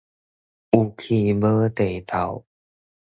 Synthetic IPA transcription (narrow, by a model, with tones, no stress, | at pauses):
ʔu˧˩kʰi˧bɤː˧˦t̪e˨˩jt̪ʰa˨˩w